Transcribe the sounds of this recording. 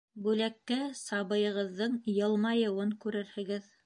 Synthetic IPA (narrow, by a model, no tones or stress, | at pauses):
bʉlækːæsɑβɤ̆jɤ̆ʁɤ̆ðːɤɴjɤ̆lˠmɑjɤ̆wɤŋkʉɾɘɾhɘ̆ɡɘð